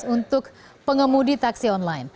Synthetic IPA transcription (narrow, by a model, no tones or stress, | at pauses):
unt̪ʊk̚ | pəŋəmudit̪aksiɔnlajn